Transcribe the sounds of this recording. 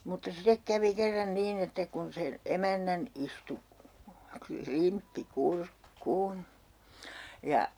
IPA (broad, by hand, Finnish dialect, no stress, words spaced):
mutːɑ sitek kæʋi kerːɑn niːn etːæ kun sen emænːæn istu klimpːi kurkːuːn jɑ